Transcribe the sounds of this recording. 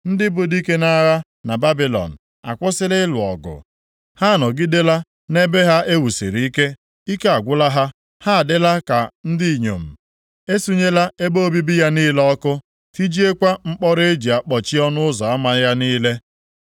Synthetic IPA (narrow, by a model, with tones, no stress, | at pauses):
n̩˦dɪ˦bʊ˨di˦ke˦na˦ɣa˦ | na˨ba˦bi˨lɔ̰˨n̩˨ | a̰˨kʷʊ˦sɪ˦lɪ˦lʊ˨ɔ˨ɡʊ̰˨ | ha˦˨nɔ˨ɡɪ˦de˦la˦ | ne˦be˦ɦa˦ʔe˦wu˨sḛ˨ɾi˨i˦ke˦ | i˦ke˦a˨ɡʷʊ˦la˦ɦa˦ | ha˦a˨dɪ˦la˦ka˨n̩˦di˦i˨ɲo̰˨m̩˨ | e˦su˦ɲe˦la˦e˦bo˦bi˦bi˦ja˦niː˦lɔ˦kʊ˦ | fi˦d͡ʒi˦e˦kʷa˦ŋ͡m̩˦k͡pɔ˦ɾe˦d͡ʒi˨a˨k͡pɔ˨t͡ʃi˦ɔ˦nʊ˦ʊ˦zɔ˨a˦ma˦ja˦niː˦le˦